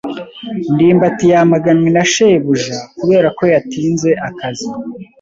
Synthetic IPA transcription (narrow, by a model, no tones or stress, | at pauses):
ndiːmbatijamaɡaninaʃejβuʒakuβe̞ːɾako̞jatiːnze̞ʔakazi